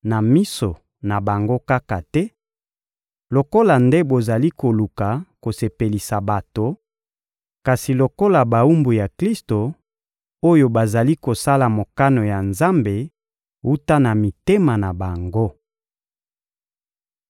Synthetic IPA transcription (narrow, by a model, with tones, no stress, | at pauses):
na˨mi˦so˨ | na˨ba˨ŋɡo˦ka˦ka˨tɛ˦ | lo˨ko˦la˨nde˦bo˨za˨li˦ko˨lu˨ka˨ko˨se˨pe˨li˨sa˨ba˨to˨ | ka˨si˨lo˨ko˦la˨ba˨u˦mbu˨ja˨kli˦sto˨ | o˦jo˨ba˨za˨li˦ko˨sa˦la˨mo˨ka˦no˨ja˨nza˦mbe˨ | u˦ta˦na˨mi˨te˦ma˨na˨ba˨ŋɡo˦